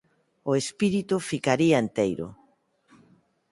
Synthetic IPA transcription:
ʊespiɾit̪ufikaɾiɐent̪ejɾʊ̰

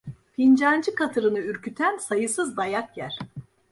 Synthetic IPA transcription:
pʰind͡ʒand͡ʒɯkʰat̪ʰɯɾɯnɯyɾcyt̪ʰænsajɯsɯzbajakjæɾ̥

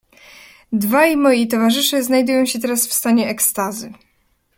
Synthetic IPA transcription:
d̪vajmɔjit̪̬ɔvaʐɘʂɘznajd̪ujɔ̃w̃ɕɛt̪ɛɾasfst̪aɲɛʔɛkst̪azɘ

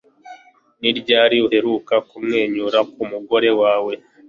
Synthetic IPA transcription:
niɾɟaːɾiuhe̞ɾukakumŋe̞ːɲuɾakumuɡo̞ɾe̞waːwe̞

